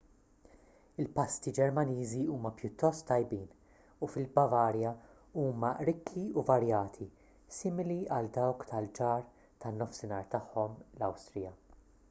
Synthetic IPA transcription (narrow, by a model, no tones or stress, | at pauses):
ɪlpɐst̪id͡ʒɛɾmɐniːziuːmɐpjʊt̪ːɔst̪ːɐjbiːn | ufɪlbɐvɐːɾjɐ | uːmɐʔɾɪkʰːiuvɐɾjɐːt̪ʰi | sɪːmɪliɐld̪ɐwkt̪ɐld͡ʒɐːɾ | t̪ɐnːɔfsɪnɐːɾt̪ɐħːɔmlɐwst̪ɾɪjɐ